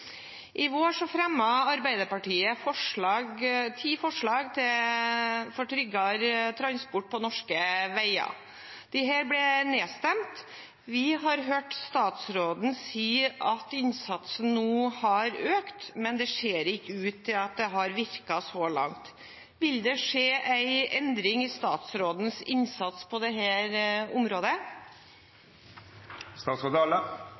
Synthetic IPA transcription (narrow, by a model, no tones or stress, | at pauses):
ʔɪʋoːʂɔfɾɛmːɑɑɾbæɪd̪əɾpɑʈiːəfɔʂɭɑːɡt̪ʰiːfɔʂɭɑːɡt̪ʰɪ | fɔʈʰɾʏɡɑɾt̪ʰɾɑnspʊʈ̚ːpʰɔnɔʂkəʋæɪɑ̰ | d̪̥ɪɦæːɾblɛneːst̪ɛmt̪ | ʋɪɦɑɾɦøːʈst̪ɑːt̪sɾoːd̪n̩siːɑt̪ɪnsɑt̪sən̩ːuːhɑɾøːkt̪mɛnd̪ɛʂeːɾɪkːəʉːt̪ʰːɪlɑt̪̚d̪ɛɦɑɾʋɪɾkɑsɔlɑ̰ŋt̪ | ʋɪld̪ɛʂeːʔæɪɛnd̪ɾɪŋɪst̪ɑ̰ːt̪sɾoːd̪n̩sɪnsɑt̪spʰɔd̪ɛɦæːɾʊmɾoːd̪ə | st̪ɑːt̪sɔd̪ɑlə